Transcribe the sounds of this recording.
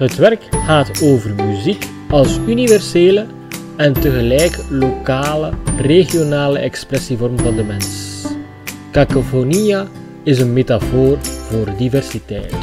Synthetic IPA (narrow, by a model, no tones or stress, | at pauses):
ɦətʋɛrkxaːtoːvərmyzik | ɑlˠsynivɛrseːlə | ɛntəɣəlɛjklokaːləreɣijonaːləɛkspɾɛsivɔrmvɑndəmɛns | kakofonija | ɪzənmeːtafoːrvoːrdivɛrsitɛjt